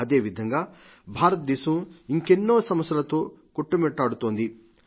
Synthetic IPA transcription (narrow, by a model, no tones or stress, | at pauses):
ɐd̪eːʋid̪ʱɐŋɡaː | bʱaːɾɐt̪̚d̪isuiŋkenːoːsɐmɐsjɐlɐt̪oː | koʈːumeʈːaːɽut̪oːnd̪i